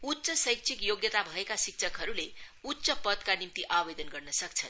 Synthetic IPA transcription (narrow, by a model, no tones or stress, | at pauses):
ut̪ːsʌsʌjk̚t͡sʰikjoɡjʌt̪abʱʌekasik̚t͡sʰʌkɦʌɾule | ut̪ːsʌpʌd̪kanimt̪iʔabbed̪ʌnɡʌrnʌsʌkt͡sʰʌn